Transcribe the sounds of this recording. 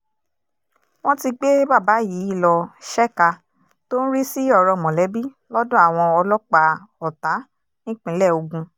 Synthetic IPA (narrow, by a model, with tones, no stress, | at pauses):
w̃ɔ̃˦ti˧ɡ͡be˦ba˦˨ba˨˦ji˨˦i˦˨lɔ˧ʃɛ˦ka˧ | to˦n̩˦ɾi˦si˦ɔ˦˨ɾɔ˧˨mɔ̃˨lɛ˨˦bi˦ | lɔ˦dũ˦a˦˨w̃ɔ̃˧ɔ˧lɔ˦k͡pa˧ɔ˨ta˨˦ | nĩ˦k͡pĩ˨˦lɛ˦˨o˧ɡũ˧